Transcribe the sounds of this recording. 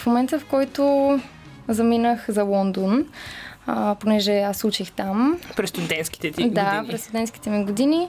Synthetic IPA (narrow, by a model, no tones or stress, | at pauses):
fmomɛnt̪əfkɔjt̪o | zɐminəxzɐlˠɔnd̪on | ponɛʒɛasut͡ʃixt̪ampɾɛst̪ud̪ɛnt̪skʲi̥t̪ɛt̪id̪apɾɛst̪ud̪ɛnt̪ski̥t̪ɛmiɡod̪ini